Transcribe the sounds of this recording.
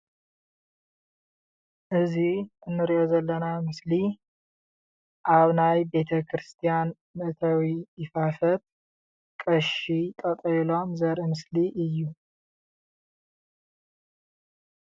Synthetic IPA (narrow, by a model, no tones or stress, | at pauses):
ʔɨziɨnːɨɾiʔo̞zɐlːɐnamɨsli | ʔaβnajbe̞t̪ʰɐkʰɾɨst̪ʰijan | mɨʔt̪ʰɐwiːfafɐt̪̚ | kʼɐʃit̪ʼɐt̪ʼɐlo̞mzɐɾʔimɨsliʔɨjːu